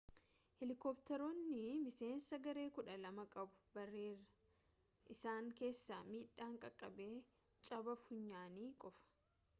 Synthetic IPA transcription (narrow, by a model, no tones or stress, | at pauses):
hɪlɪkɔːpt̪ɛɾoːnːɪmɪse̞ːnsɐɡɐɾe̞ːkʊᶑɐlɐmɐkʼɐbʊ̥bɐrːeːrːɐ̥ | ʔɪsaːŋke̞ːsːaːmiːᶑːaːŋkʼɐkʼːɐbe̞ː | t͡ʃʼɐbɐfʊɲːaːniːkʼɔfɐ̥